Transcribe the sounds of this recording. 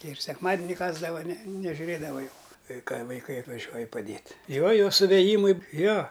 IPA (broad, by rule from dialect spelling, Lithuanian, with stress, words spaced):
ˈtʲɛɪ ɪr sʲɛkˈmɑːdʲɪnʲɪ ˈkɑːzdɐʋɐ nʲɛ nʲɛʒʲʊˈrʲeːdɐʋɐ jʊk ˈkɐɪ kɐɪ ʋɐɪˈkɐɪ ɐtʋɐˈʒʲuɔjɪ pɐˈdʲeːtʲ ˈjoː ˈjɛʊ sʊʋʲeːˈjiːmɐɪ ˈjoː